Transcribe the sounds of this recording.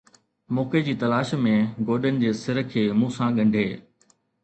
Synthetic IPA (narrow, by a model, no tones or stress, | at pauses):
mɔːked͡ʑiːt̪ɐlaːʃmẽɡoːɗənɪ̆d͡ʑeːsɪɾə̆kʰːeːmũːsãɠɐ̃ɳɖʱeː